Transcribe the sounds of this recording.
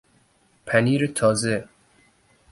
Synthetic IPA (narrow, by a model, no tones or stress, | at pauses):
pʰæniːɾet̪ʰɒːze